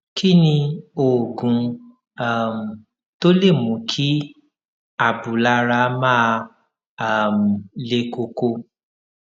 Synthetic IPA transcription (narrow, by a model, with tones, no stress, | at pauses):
ki˦nĩ˧o˨ɡũ˨˧˦ | a˦˨m̩˨ | to˦le˦˨mũ˨˦kʰi˦ | a˨bu˨la˧ɾa˧mãː˦˨ | m̩˨le˧ko˧ko˧